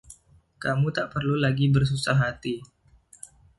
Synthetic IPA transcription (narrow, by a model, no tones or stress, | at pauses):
kamut̪aʔpərlulaɡibərs̬usaɦat̪i